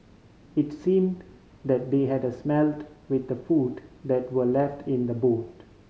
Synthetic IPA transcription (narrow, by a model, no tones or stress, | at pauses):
ɪtsĩːmd | d̪ɛt̚d̪eɦɛdəsmɛltwɪd̪̚ːəfudd̪ɛtwəlɛfʈʰɪ̃nd̪əboːt